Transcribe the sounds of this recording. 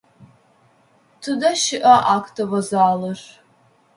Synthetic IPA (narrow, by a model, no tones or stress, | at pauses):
tʰɨdɐʃɪʔɐʔakʰtʰɐvɐzaːlɨr